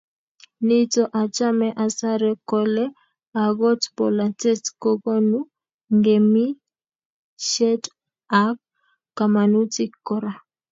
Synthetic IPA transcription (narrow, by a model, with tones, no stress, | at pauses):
nɪ˦tɔ˦ʔa˨t͡ʃa˦mɛ˦ʔa˨sa˦ɾɛ˦kɔlɛ˦ | a˨ɡɔ˦tpɔ˨la˨tɛ˦tko˦ɡo˦nu˦ | ŋɡe˨mi˦ | ʃɛ˦t | a˦p̚ | ka˨ma˨nu˦tɪ˦kːɔɾa˨